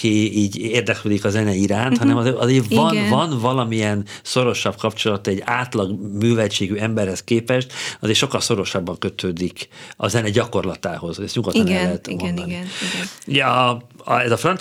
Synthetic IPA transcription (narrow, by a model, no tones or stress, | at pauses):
kiiːɟeːrd̪ɛkløːd̪ikɒzɛnɛiɾaːnt̪hɒnɛmɒzeɒzeːvɒnvɒnvɒlɒmiɛn | so̞ɾo̞ʃɒbkɒpt͡ʃo̞lɒt̪ɛɟːaːt̪lɒɡmyːvɛlt͡ʃeːɡyɛmbɛrhɛskeːpɛʃt̪ɒzeːʃo̞kːɒlso̞ɾo̞ʃɒbːɒŋkø̞t̪ʰøːd̪ikɒ̰zɛnɛɟɒko̞rlɒt̪aːho̞zɛsɲuɡɒɔt̪ːɔɛɛt̪monɒni | uɟɛɒɛzɒfrɒnt